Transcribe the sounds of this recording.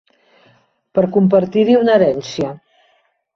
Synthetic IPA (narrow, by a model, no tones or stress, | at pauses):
pəɾkump̬əɾt̪iɾiunəɾɛnsiə